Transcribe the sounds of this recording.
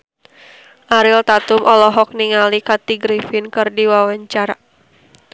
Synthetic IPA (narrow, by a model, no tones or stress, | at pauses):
ʔaɾɪlt̪at̪ʊmʔɔlɔɦɔk̚niŋalikat̪iɡɾifɪnkɨrdiwawaɲt͡ʃaɾa